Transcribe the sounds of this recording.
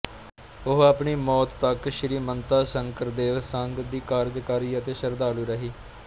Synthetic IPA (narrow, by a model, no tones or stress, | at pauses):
ʊɦaːpɳiːmɔːt̪ːəkʃɪɾiːmənt̪aːsəŋkəɾd̪eːʋsəŋɡd̪iːkaːɾd͡ʒkaːɾiːət̪eːʃəɾd̪aːluːɾəɦiː